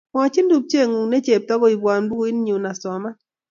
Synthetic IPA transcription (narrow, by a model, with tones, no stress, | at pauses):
mwa˨t͡ʃi˦ndu˨p̚t͡ʃe˦˨ŋu˨ne˦t͡ʃe˨p̚tɔ˦ɡɔ˦i˨bwa˨nbu˦o˦i˦n˦ɲu˨na˨sɔ˨ma˦